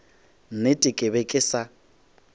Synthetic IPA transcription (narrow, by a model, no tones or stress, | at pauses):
n̩netʼɪkʼɪβekʼɪsa